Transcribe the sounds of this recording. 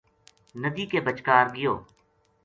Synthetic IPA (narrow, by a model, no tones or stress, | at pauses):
nəd̪iːkebət͡ʃkaːɾɡɪjo̰ː